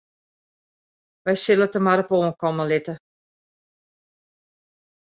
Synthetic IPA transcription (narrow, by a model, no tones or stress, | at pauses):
ʋɛjsɪlətəmaɾəpoːənkɔməlɪtə